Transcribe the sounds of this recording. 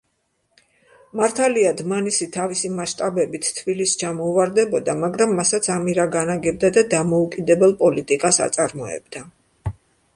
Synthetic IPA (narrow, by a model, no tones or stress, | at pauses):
maɾt̪ʰaliad̪manisit̪ʰavisimaʃt̪ʼabɛbit̪ʰt̪ʰːbilist͡ʃʰamɔuvaɾd̪ɛbɔd̪amaɡɾamːasat̪sʰamiɾaɡanaɡɛb̚d̪ad̪ad̪amɔukʼid̪ɛbɛlˠpʼɔlit̪ʼikʼasa̰t̪sʼaɾmɔɛ̰bd̪̥a